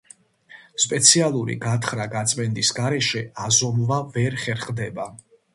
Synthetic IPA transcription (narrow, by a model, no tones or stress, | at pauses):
spʼɛt̪sʰialˠuɾḭɡat̪ʰχɾaɡat̪sʼmɛnd̪isɡaɾɛʃɛazɔmvavɛɾχɛɾχd̪ɛba